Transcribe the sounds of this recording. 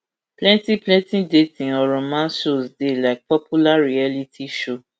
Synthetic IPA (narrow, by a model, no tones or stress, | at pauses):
plɛ̃ntĩplɛ̃ntĩdetĩɔɾɔ̃mãnʃosdelaɪk̚pɔpʰulaɾialitʰiʃo